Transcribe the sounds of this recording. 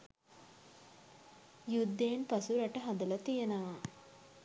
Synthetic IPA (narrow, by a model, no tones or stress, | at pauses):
jud̪ːeːnpɐsuɾɐʈəɦɐd̪ɐlɐt̪ijɐnɐʋa